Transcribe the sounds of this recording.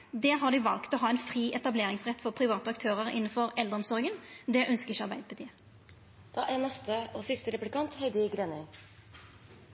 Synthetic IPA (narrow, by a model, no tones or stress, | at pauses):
d̪ɛːɦɑɖ̪iːʋɑ̰lkt̪ɔɦɑːɛɪnfʁiːʔɛt̪ɑbleːʁɪŋsʁɛt̪ːfɔʁpʰʁɪʋɑːt̪əɑkt̪ʰøːʁəʁɪ̰nːənfɔʁɛld̪əɔmsɔʁɡənd̪ɛʔœnskəɪçəɑɾʁbæɪd̪əpʰʊt̪iːə | d̪̥ɑːʔænɛst̪əoːsɪst̪əɾɛplɪkʰɑnt̪hɛɪd̪ɪɡɾeːnə